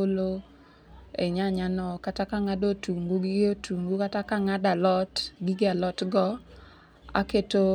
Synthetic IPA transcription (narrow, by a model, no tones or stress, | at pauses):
olo | ḛɲaɲanɔkatakaŋadotuŋɡuɡɪotʰuŋɡukatakaŋadalɔtɡɪɡɪalɔtɡɔ | a̰keto